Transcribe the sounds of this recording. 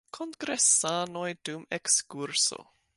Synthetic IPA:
kʰoŋɡɾɛsaːnojd̥umɛkskuɾso̰

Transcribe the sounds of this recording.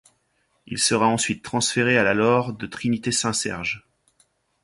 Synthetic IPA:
ḭlsəʁaɑ̃sɥit̪ːχɑ̃sfeʁealalɔʁd̪ət̪χinit̪esɛ̃sɛ̰ʁʒ

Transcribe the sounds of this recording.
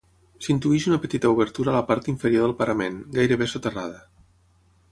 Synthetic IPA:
sint̪uiʃunəpət̪it̪əuβ̞əɾt̪uɾaləpaɾt̪iɱfəɾjoðəlˠpəɾəmenɡajɾəβesot̪əraðə

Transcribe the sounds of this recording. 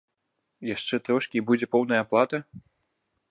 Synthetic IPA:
jaʂt͡ʂɛt̪ɾɔʂkʲibud͡zʲɛpɔwnɐjɐːplˠat̪ɐ

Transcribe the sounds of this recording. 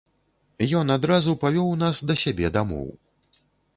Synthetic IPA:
jɔnad̪ɾazupavʲɔwnasd̪ɐsʲabʲɛd̪amɔ̰w

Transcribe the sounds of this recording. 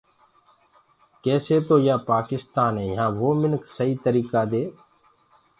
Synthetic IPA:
keːseːt̪oːjaːpaːkɪst̪aːnẽːɦãːʋoːmɪnksəiːt̪əɾiːkaːd̪eː

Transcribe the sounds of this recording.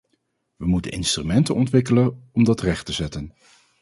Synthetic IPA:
ʋəmutə̰nɪ̰nstrymɛntə̰nɔntʋɪkələnɔmdɑtrɛχtəzɛtən

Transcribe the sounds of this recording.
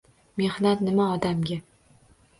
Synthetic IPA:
me̞hnat̪nɪmaɒd̪amɡʲa

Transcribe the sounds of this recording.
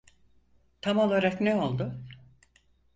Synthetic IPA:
t̪ʰamo̞lˠaɾaknɛo̞lˠd̪ʊ

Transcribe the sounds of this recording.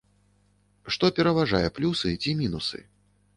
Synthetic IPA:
ʂt̪ɔpʲɛɾɐvaʐajɛplʲusɨt͡sʲimʲinusɨ̰

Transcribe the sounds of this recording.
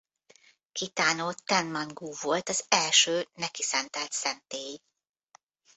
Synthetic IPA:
kit̪aːnoːt̪ɛnmɒŋɡuːvo̞lt̪ɒzɛlʃøːnɛkisɛnt̪ɛlt̪sɛnt̪eːji

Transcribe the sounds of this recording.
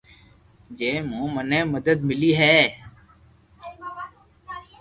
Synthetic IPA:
d͡ʒeːmũːmənɛ̃ːməd̪əd̪mɪliːɦɛː

